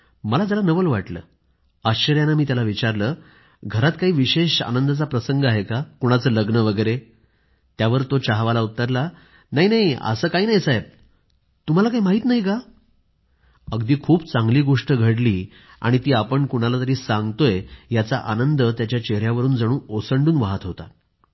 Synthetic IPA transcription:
məlad͡zəlanəʋəlʋaʈlə̰ː | əɕɕəɾjanamiːt̪jalaʋit͡ɕaɾləː | ɡʱəɾat̪kaɦiːʋiɕeɕa̰nənd̪at͡sapɾəsəŋɡəaɦekakuɽ̃at͡səːləɡnəʋəɡəjɾe | t̪jaʋəɾt̪ot͡ɕaɦʋalaut̪ːəɾla | naɦinaɦiə̰səːkaɦiːnajt͡sae | t̪um̤alakaɦimaɦiːt̪naɦika | əɡd̪iːkʰuːpt͡sãŋɡliːɡoʂʈəɡʱəɽliː | a̰ɽ̃it̪iːapəɳkuɽ̃alat̪əɾiːsãŋɡt̪ojejat͡saʔanənd̪ət̪jat͡ɕjat͡ɕeɾjaʋəɾuːnd͡zəɽ̃ũːosəɳɖuːnʋaɦət̪ɦot̪a̰

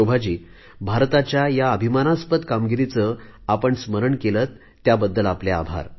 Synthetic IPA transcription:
obʱad͡ʑiː | bʱaɾt̪at͡ɕjajaəbʱimanaspət̪kamɡiɾit͡sə | apəɳsməɾəɳkelət̪ːjabəd̪ːəlapljaa̰bʱa̰ɾ

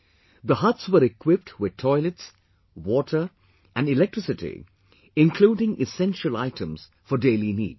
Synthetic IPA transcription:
d̪əhʌtswəɾɪkʰwɪp̚ʈʰwɪd̪̚tʰɔɪləts | wɔʈʰə˞ | ʔæ̃nɖɪlɛk̚tɹ̥ɪsɪtḭ | ɪ̃nkʰl̥uːɖɪ̃ŋɪsɛ̃nʃəla̰ɪtʰə̃mz̥ | fəɖeɪlinḭːd̚

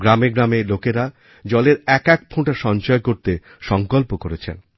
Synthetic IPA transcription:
ɡɾameɡɾamelokeɾa | d͡ʑɔleɾɛkɛk̚pʰõʈaʃɔɲt͡ɕɔekoɾt̪e | ʃɔŋkolpokoɾet͡ɕʰḛn

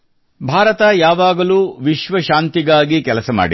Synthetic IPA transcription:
bʱaːɾɐt̪ɐjaːʋaːɡɐluːʋiʃʋɐʃaːnt̪iɡaːɡikɛlɐsɐma̰ːɽi

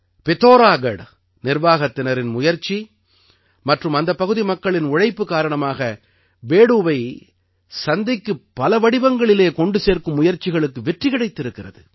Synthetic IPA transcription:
pɛt̪oːɾaːɡɐɽ | nɪrʋaːɣɐt̪ːɪnɐɾɪnmʊjɐɾt͡ʃːi | mɐʈrɯmɐnd̪ɐpːɐɣɯðimɐkːɐɭɪnʊɻɐɪpːɯkaːɾɐɳɐmaːɣɐ | beːɽuʋɐɪ | sɐnd̪ɪkːɯpːɐlɐʋɐɽɪʋɐŋɡɐɭɪleːkɔɳɖɯseːɾkɯmːʊjɐɾt͡ʃɪɣɐɭɯkːɯʋɛʈrɪɣɐɽɐɪt̪ːɪɾɯkːɪrɐðɯ

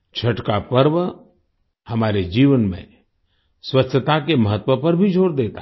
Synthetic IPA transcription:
t͡ʃʰɐʈkapəɾʋə | hɐmaːɾed͡ʒiːʋənmḛ̃ | swətːʃʰət̪akeməɦət̪wəpɐɾbʱid͡ʒʱoːɽd̪eːt̪a

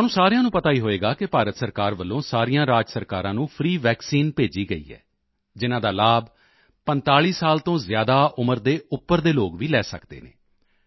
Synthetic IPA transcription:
onũːsaːɾejãːnũːpət̪aːiːɦoːeːɡaːkɪpaːɾət̪səɾkaːɾʋəlːõːsaːɾiːjãːɾaːd͡ʒsəɾkaːɾãːnũːpʰɾiːʋɛːksiːnpeːd͡ʒiːɡəḭːɦɛ̰ː | d͡ʒɪnãːd̪aːlaːb | pənt̪aːliːsaːlt̪õːzjaːd̪aːʔʊməɾd̪eːʊpːəɾd̪eːloːɡʋiːlɛːsə̰kd̪ḛːnḛː

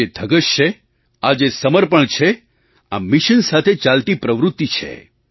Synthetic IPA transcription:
ed̪ʱəɡəʃt͡ʃʰe | ad͡ʒesəməɾpəɳt͡ʃʰe | a̰mɪʃənsat̪ʰet͡ʃalt̪ipɾəʋɾʊt̪ːit͡ʃʰḛ

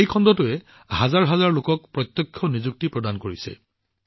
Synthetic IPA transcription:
ejkʰɔndɔtʊɛ | hazaɹɦazaɹlokɔk̚pɹɔt̪jɔkʰːjɔnizuk̚tipɹɔdankoɹisɛ̰

